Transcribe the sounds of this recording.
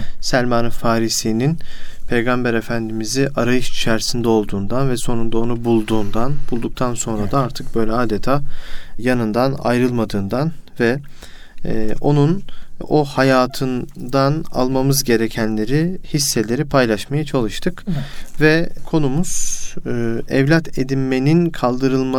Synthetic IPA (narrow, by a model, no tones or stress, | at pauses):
sælʲmanɯfaːɾisininpʰe̞jɡambɛɾe̞fænd̪imiziʔaɾajɯʃit͡ʃʰæɾsind̪ɛo̞lˠd̪uːnd̪anvɛso̞nund̪ao̞nubulˠd̪uːnd̪anb̥ulˠd̪uk̚t̪ʰanso̞nɾad̪aaɾt̪ʰɯk̚bø̞jlʲɛaːd̪et̪ʰaːjanɯnd̪ana̰jɾɯlˠmad̪ɯːnd̪anvɛ | o̞nuno̞hajaːt̪ʰɯnd̪ana̰lˠmamɯzɟe̞ɾe̞cʰænlʲe̞ɾihisːe̞lʲe̞ɾipʰajlˠaʃmajat͡ʃʰalˠɯʃt̪ʰɯkvɛkʰo̞numuz̥ | ɛvlʲat̪ʰed̪inme̞ninkʰalˠd̪ɯɾɯlˠma